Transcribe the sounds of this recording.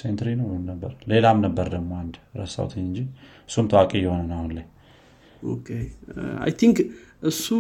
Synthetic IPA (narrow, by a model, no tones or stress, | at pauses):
sent̪ɾinəwməmnəbːəɾle̞lamnəbːəɾd̪əɡmo̞and̪ɾə̰sa̰wt̪ʰəɲːɨɲd͡ʒi | ɨ̥sːumt̪ʰəwakʼejːɛho̞nənahunlaɲ | okʰea̰jt̪ʰiŋkʔɨsːu